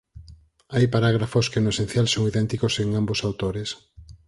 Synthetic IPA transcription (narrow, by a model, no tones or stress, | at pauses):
ajpaɾaɣ̞ɾafoskenoesẽn̟θjalsoŋiðɛnt̪ikoseŋambosawt̪oɾes